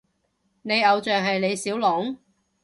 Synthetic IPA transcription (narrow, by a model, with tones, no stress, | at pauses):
ne˨˧jɐ˨˧wt͡ʃœː˨ŋɦɐ˨jne˨˧jsiː˨˥wlɔ˨˥ŋ